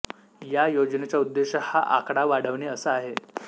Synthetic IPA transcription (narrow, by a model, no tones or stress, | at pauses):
jajod͡ʑnet͡ɕjaud̪ːeɕəhaʔakɽaʋaɽ̤əʋneəsəaɦe